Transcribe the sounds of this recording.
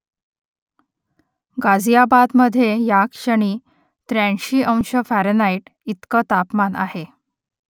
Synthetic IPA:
ɡad͡zijabad̪məd̪ʱːjejakɕəɳiː | t̪ɾæ̃ɳɕiːʔə̃w̃ɕəfæɾənaiʈit̪kət̪apmana̰he

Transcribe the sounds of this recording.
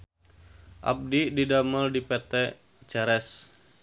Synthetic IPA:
ʔa̰p̚dididaməldipɛt̪ɛ | t͡ʃɛɾɛs

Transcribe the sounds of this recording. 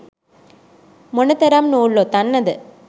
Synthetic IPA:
mɔnɐt̪ːɐɾaːmnoːɭːoːt̪ɐnːɐðɯ

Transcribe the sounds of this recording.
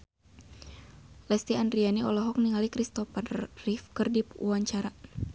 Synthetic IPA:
lɛst̪iandrianiʔɔlɔɦɔk̚niŋalikɾist̪ɔparifkərdipuaɲt͡ʃaɾa

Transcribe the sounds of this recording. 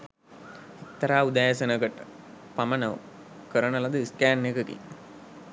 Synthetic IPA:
it̪ːɐɾaːud̪aːjəsənəkəʈə̥ | pamənəʋ | kəɾənəlad̪əiskæːnːekəkḭ

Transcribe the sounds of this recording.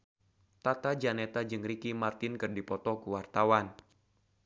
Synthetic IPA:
t̪at̪ad͡ʒanɛt̪ad͡ʒɨŋrikimart̪ɪnkɨrdipɔt̪ɔkuwart̪awan

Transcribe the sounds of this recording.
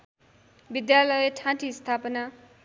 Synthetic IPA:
bid̪jalʌjeʈʰãʈʰist̪ʰapʌna

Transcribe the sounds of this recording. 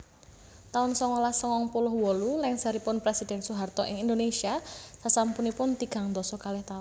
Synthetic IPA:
t̪aʊnsɔŋolahsɔŋɔŋpulʊhwɔlulɪŋsaɾipʊnpɾesid̥ɛnsuɦart̪ɔʔɪŋind̪onesiasasampunipʊnt̪iɡ̥a̤ŋnd̪ɔsɔkalɪht̪aʊn

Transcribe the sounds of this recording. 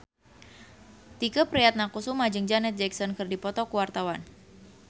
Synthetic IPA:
t̪ikapɾijat̪̚nakusumad͡ʒəŋd͡ʒanɛt̪̚d͡ʒɛksɔnkɨrdipɔt̪ɔkuwart̪awan

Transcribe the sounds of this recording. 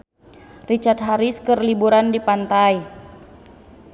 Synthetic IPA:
rit͡ʃart̪̚ɦaɾiskərlibuɾandipant̪aj

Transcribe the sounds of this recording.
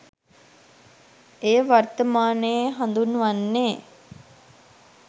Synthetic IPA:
ejəʋart̪əmaːnəjeɦand̪unʋanːeː

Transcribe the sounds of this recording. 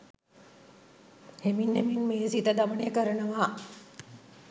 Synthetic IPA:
heminheminmeːsit̪əd̪aʋənejəkəɾənəʋa

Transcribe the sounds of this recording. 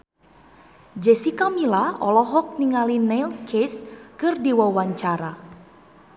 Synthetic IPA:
d͡ʒɛsikamilaɔlɔɦɔk̚niŋalinɛlkʰeskɨrdiwawaɲt͡ʃaɾa

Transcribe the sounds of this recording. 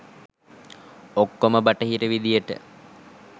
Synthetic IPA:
okːoməbaʈəɦiɾəʋid̪ijəʈə̰

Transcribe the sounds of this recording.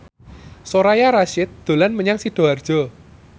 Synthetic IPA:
soɾajaɾaʃɪt̪̚d̪̥o̤lanməɲaŋsiɖ̥o̤ard̥ʒ̥ɔ

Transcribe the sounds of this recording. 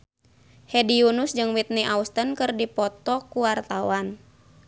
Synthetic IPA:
hɛdiunusd͡ʒɨŋwit̪̚niʔaust̪ənkɨrdipɔt̪ɔkuwart̪awan

